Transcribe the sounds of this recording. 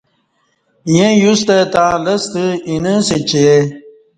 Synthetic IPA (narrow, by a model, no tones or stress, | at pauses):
jẽjust̪ɐt̪ãːlɐst̪əinəset͡ɕee